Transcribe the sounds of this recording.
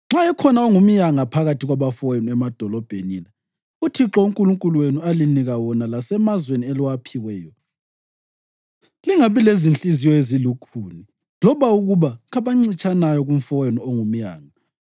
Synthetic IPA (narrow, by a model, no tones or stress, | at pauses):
ŋ͡ǁaɛkʰɔnaoŋum̩jaŋapʰaɣatʰiɣwaβafɔjɛnuɛmad̥ʱɔlɔb̥ʱenḭna | utʰiǁɔuŋkʼuluŋkʼulwenualiniɣawɔnalasɛmazweniɛliwapʰiwɛːjɔ | liŋaβilezint͡ɬʼizijɔezilukʰuːni | lɔβauɣuβaɣaβaŋ͡ǀit͡ʃʼanajɔɣum̩fɔjɛnuoŋum̩ja̰ːŋa